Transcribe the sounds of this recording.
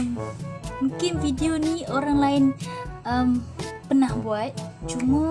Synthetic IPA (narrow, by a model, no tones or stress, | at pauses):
mukɪnfideonioɾaŋlaɪnʔəmpənahbuat̪̚t͡ʃuma